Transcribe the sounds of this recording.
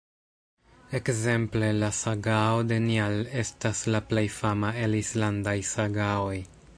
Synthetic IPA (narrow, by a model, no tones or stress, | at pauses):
e̞kze̞mple̞lasaɡao̞de̞niale̞staslaple̞jfamae̞lislandajsaɡao̞j